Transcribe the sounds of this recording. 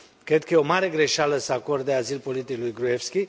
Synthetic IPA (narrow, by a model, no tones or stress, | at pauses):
kɾe̞d̪̚kəjeo̞maɾe̞ɡɾe̞ʃaləsəako̞rd̪eazilpo̞lit̪iklujɡɾuefskʲi